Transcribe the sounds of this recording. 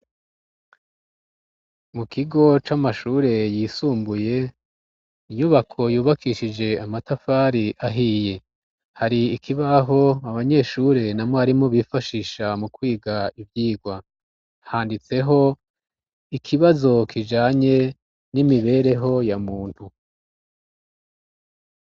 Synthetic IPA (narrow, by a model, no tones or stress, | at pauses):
mukiɡo̞t͡ʃamaʃuːɾe̞jiːsuːmbuje̞ | iɲuβakʰo̞juːβakiʃid͡ʒe̞amatafaːɾiʔaɦije̞ | haɾiikʰiβaɦo̞aβaɲe̞ːʃuɾe̞namoaɾimo̞βiːfaʃiːʃamukwiːɡaivjiːɡwa | haːndit͡se̞ɦo̞ | ikʰiβazo̞kʰid͡ʒaːɲe̞ | nimiβe̞ɾe̞ɦo̞jamuːnhu